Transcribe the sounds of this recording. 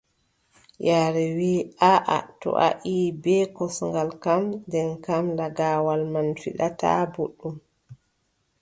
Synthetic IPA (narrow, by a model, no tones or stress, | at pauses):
jaːɾɛwiːaʔa̰tɔ̰ʔa̰ʔiːbɛkɔsŋɡalkamndɛnkamlaɡawalmanfḭɗata̰boɗːum